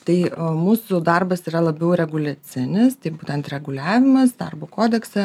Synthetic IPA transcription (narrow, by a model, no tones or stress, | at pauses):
t̪ɐɪmuːsʊd̪ɐrbɐsiːɾɐlˠɐbʲɛʊɾʲɛɡʊlʲɛt͡s̪ʲɪnʲɪst̪ɐɪbuːt̪ʲɛnt̪ɾʲɛɡʊlʲæːʋʲɪmɐsd̪ɐrboːkoːd̪ʲɛksʲɛ